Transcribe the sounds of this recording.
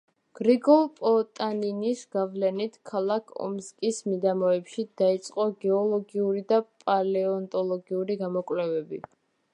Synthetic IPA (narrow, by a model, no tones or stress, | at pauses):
ɡ̥ɾiɡɔlˠpʼɔt̪ʼaninisɡ̥avlɛnit̪ʰkʰalˠakʰɔ̰mskʼismid̪amɔɛpʃid̪̥ait̪sʼqʼɔɡɛɔlˠɔɡiuɾid̪apʼalɛɔnt̪ʼɔlˠɔɡiuɾiɡamɔkʼwlɛvɛbi